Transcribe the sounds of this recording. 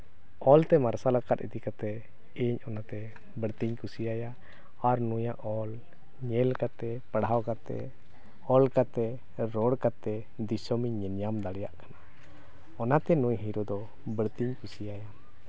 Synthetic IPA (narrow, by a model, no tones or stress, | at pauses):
ɔlt̪ɛmaɾsalakat̪̚ḭt̪ikat̪ɛ | iɲɔnat̪ɛ | bəɾt̪iɲkusiaja | aɾnujaʔɔl | ɲɛlkat̪ɛ | pəɽɦawkat̪ɛ̰ | ɔlkat̪ɛ | ɾɔɽkat̪ɛ | d̪isɔmiɲɛnjamd̪aɽɛjaʔkḁna | ɔnat̪ɛnujɦiɾɔd̪ɔ | bəɾt̪iɲkusijaja